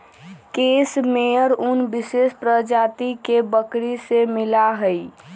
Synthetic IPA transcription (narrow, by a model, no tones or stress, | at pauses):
keːsmeəɾʊnbɪsespɾəd͡ʒaːt̪ikebəkɾisemɪlaɦəi